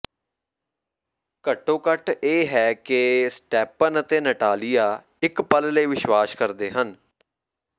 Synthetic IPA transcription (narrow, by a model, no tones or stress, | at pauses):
kəʈːõːkəʈeːɦɛːkɪsʈɛːpənət̪eːnəʈaːlijaː | ɪkpəlləiːʋɪʃʋaːskəɾd̪eːɦən